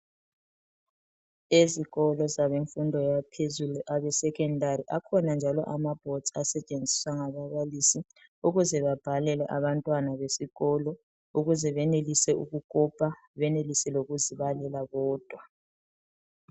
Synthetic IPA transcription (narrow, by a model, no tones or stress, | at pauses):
eziɣɔlɔzaβeɱfundʱɔjapʰezuluʔaβɛsɛkʰʼɛndʱariʔakʰɔnand͡ʒʱalɔ̰ʔamab̥ʱɔd̥zasɛt͡ʃʼend͡zʱiswaŋaβaβalisi | uɣuzɛβab̥ʱalɛlɛʔaβantʼwanaβesiɣɔlɔ | uɣuzɛβɛnelisɛuɣukʼɔpʰʼa | βɛnelisɛloɣuziβalɛlaβɔːd̥ʱwa